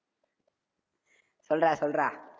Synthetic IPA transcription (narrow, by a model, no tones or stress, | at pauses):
sɔlɾasɔlɾa